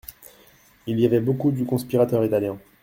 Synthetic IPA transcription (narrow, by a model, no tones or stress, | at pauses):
ilijavɛbokud̪ykɔ̃spiʁat̪œʁit̪aljɛ̃